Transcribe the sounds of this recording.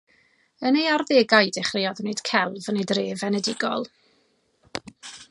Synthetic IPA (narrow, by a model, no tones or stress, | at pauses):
ənejarðeɡajdɛχrɪjɔðned̥kʰɛlˠvnedreːvɛnɛdɪɡɔ̰lˠ